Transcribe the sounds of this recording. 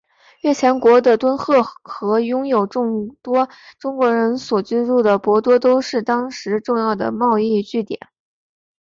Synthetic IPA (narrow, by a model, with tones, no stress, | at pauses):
ɥɛ˥˩t͡ɕʰjɛ˧˥nkwɔ˧˥d̪ə˧t̪wə˥nxɤ˥˩xɤ˧˥jʊ˥ŋjo˨˩ʊʈ͡ʂʊ˥˩ŋt̪wɔ˥ʈ͡ʂʊ˥ŋkwɔ˧˥ɻə˧˥nswɔ˨˩t͡ɕy˥ɻu˥˩d̪ə˩pwɔ˧˥t̪wɔ˥t̪o˥ʊʂɻ̩˥˩t̪ɑ˥ŋʂɻ̩˧˥ʈ͡ʂʊ˥˧ŋjɑ˥˩ʊd̪ə̰˩mɑ˥˧ʊi˥˧t͡ɕy˥˩t̪jɛ̰˨˩˦n